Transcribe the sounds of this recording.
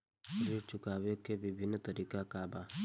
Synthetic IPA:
ɾiɾt͡ʃʊkaːwjokeʋɪbʱɪnːt̪ɐɾiːkakabaː

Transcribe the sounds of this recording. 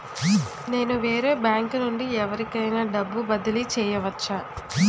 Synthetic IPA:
ne̞ːnuʋeːɾe̞ːbjaːŋknuɳɖiɛʋɐɾikɐjnaːɖɐbːubɐd̪ɐlit͡ʃɛːjɐʋɐt͡ʃːaː

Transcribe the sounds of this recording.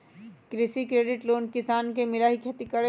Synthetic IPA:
kɾɪsikɾeːɖɪʈloːnkɪsaːnkemɪlaɦikʰet̪ikɐɽe

